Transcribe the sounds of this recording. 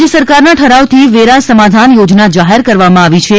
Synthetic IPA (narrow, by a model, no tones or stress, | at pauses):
d͡ʒəsəɾkaɾnaʈʰəɾaʋt̪ʰiʋeɾasəmad̪ʱanjod͡ʒnad͡ʒaɦeɾkəɾʋamãaʋit͡ʃʰe